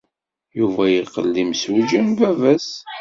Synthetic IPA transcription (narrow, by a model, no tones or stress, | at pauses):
juvæjiqːə̰lːimsd͡ʒənvævæsħ